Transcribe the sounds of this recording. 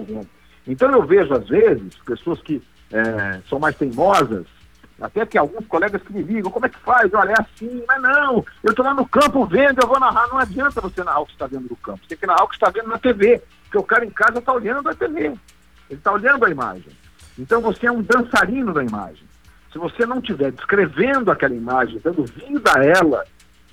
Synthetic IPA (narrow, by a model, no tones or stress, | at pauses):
wɡũ | ẽnt̪ɐ̃w̃ewveʒʊazvezɪspesoɐskɪ | ɛsɐ̃w̃majst̪ẽj̃nɔzɐ̰s | a̰t̪ɛkɪawɡũskolɛɡɐskɪmɪliɡɐ̃w̃kõmʊ̃ɛkɪ̥fajzewɔʎɐɛasĩmɐznɐ̃w̃ewt̪olanʊkɐ̃mpʊvẽnd̪ʊewvonaɦanɐ̃w̃ad͡ʒiɐ̃nt̪ɐvosenaawkɪ̥st̪avẽnd̪ʊd̪ʊkɐ̃pʊ̥sẽɛ̃kɪnaawkɪ̥st̪avẽnd̪ʊnɐt̪evepʊkeʊkaɾɐẽkazɐelt̪aolɐ̃nd̪ʊɐt̪eve | elɪt̪aoʎʲɐ̃nd̪ʊɐima̰ʒḛ̃j̃ | ẽnt̪ɐ̃w̃voseɛũd̪ɐ̃saɾĩnʊd̪ɐima̰ʒḛ̃j̃ | sɪvosenɐ̃w̃t͡ʃivɛɾd͡ʒɪskɾevẽnd̪ʊakɛlɐimaʒẽj̃d̪ɐ̃nd̪ʊvĩd̪aɛlɐ̰